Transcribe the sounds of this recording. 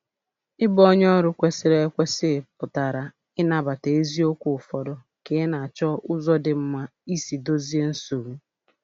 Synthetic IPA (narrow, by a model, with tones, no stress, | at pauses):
ɪ˦bɔ˦ɲ˦ɔ˦ɾʊ˨kʷe˨sɪ˨ɾe˨˦kʷe˦sɪ˦˨pʊ˨ta˨ɾa˨ | ɪ˦na˨ba˨te˨e˦zi˦o˦kʷʊ˨ʊ˨fɔ˨dɔ˦ | ke˨˦na˨a˨t͡ʃɔ˦ʔʊ˦zɔ˦dɪ˨m̩˦ma˦i˦si˨do˦zi˦e˦n̩˦so˨mu˦